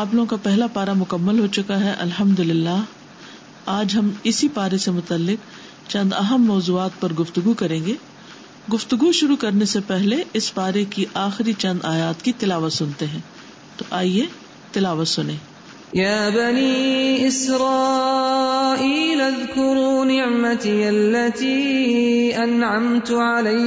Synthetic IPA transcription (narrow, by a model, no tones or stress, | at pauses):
aːp̬loːɡõkapɛɦlapaːɾamʊkɐmːəlɦot͡ʃʊkaɦɛʔɐ̰lɦɐmd̪ʊlɪlːaːɦ | aːd͡ʒɦɐmɪsipaːɾesemʊt̪əlːɪk̚ | t͡ʃɐ̃nd̪ɐɦəmːɔːzuːaːt̪̚pɐɾɡʊft̪ʊɡukɐɾẽːŋɡeː | ɡʊft̪ʊɡuʃʊɾukɐɾnesepɛɦleʔɪsbaːɾekiʔaːxɪɾit͡ʃɐ̃nd̪aːjaːt̪kit̪ɪlaːʋət̪sʊnt̪eɦɛ̃ː | t̪oʔaːie | t̪ɪlaːʋət̪sʊnẽː | jaːbaniːʔɪsɾɑː | ʔiːlʔaðkʊɾuːnɪʕmat̪alːat̪iː | ʔanʕamt̪ʕalaj